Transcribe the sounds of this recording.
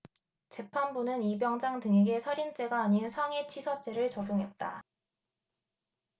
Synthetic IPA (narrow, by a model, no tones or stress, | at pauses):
t͡ɕe̞pʰanbunɯnibjʌŋd͡ʑaŋtɯŋeɡe̞sʰaɾint͡ɕ͈e̞ɡaːɲinsʰaŋe̞t͡ɕʰisʰʌt͡ɕ͈eɾɯɭt͡ɕʌɡjoŋɦe̞t̚t͈a